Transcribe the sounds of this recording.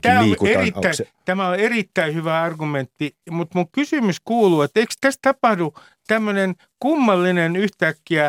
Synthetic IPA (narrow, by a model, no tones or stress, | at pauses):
t̪æːoerit̪ːæit̪æmæolerit̪ːæihyʋæɑrɡument̪ːimut̪muŋkysymyskuːluːet̪ːeikst̪æst̪ɑpɑhdu | t̪æmːønen | kumːɑlːinenyht̪ækːiæ